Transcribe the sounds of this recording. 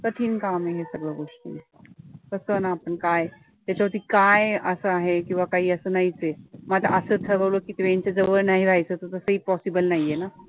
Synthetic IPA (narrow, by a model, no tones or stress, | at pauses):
kəʈ̪ʰiːnkameɦesɐɡɭaɡoʂʈə̰ | t̪əsənaːpəɳkaj | t̪et͡ɕaot̪ikajəsəaɦekĩw̃ʋakaɦiəsənaɦit͡semat̪ɾ̰ʔəsət̪ʰəɾəwlokit̪ʋẽnt͡ʃad͡ʒəbənaɦĩɾʱajsət̪ot̪əsəɦipɔsibəlnaɦiena